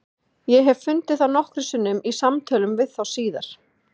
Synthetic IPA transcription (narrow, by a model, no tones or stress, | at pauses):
jɛɦɛvfʏnt̪ɪθanɔhkɾɪsʏnːʏmisamt̪ʰœːlʏmvɪðθawsiːða̰ɾ̥